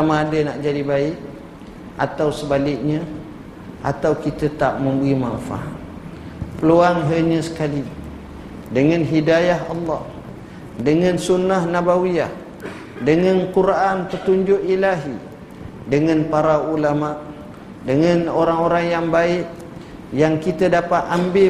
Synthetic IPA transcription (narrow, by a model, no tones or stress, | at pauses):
tamãːdənaʔd͡ʒadibaɪʔ | ʔa̰t̪awsəbalɪk̚ɲã | ʔa̰t̪awkit̪ət̪a̰ʔmə̃mbəɣimanfa̰ʔ | pəluaŋɦəɲə̃sə̥kali | dəŋãnɦidajaɦɑlːɑh | dəŋãnsunːahnabawiah | dəŋankuɾaʔanpət̪uɲd͡ʒʊʔilaɦi | dəŋãnpaɾaulamaʔ | dəŋanoɾaŋoɾaŋjaŋbaɪʔ | jaŋkit̪ədapat̪ambɪ